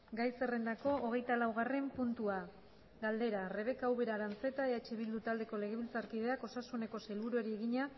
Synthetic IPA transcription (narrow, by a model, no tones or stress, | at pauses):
ɡajse̞re̞nd̪ako̞ʔːɣ̞e̞jt̪alawɣ̞are̞mpunt̪ua | ɡald̪e̞ɾare̞β̞e̞kaawβe̞ɾaɾant͡se̞t̪aeat͡ʃeβild̪ut̪ald̪e̞ko̞le̞ɣ̞e̞βilt͡saɾkiðe̞ako̞sasune̞ko̞se̞lβuɾoeɾieɣiɲa